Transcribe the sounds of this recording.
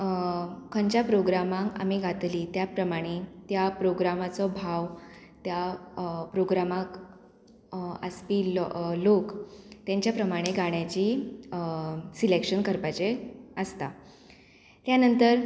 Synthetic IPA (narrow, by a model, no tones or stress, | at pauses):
kʰəɲt͡ɕjapɾoɡɾamãŋka̰miːɡʱat̪liːt̪japɾəmaɽ̃et̪japɾoɡɾamat͡sɔbʱaʋ | t̪japɾoɡɾamãk | əspiːllokt̪jaɲt͡ɕjapɾəmaɽ̃eɡʱaɽ̃jat͡ɕiː | silekʂənkəɾpat͡ɕeəst̪a | t̪janənt̪əɾ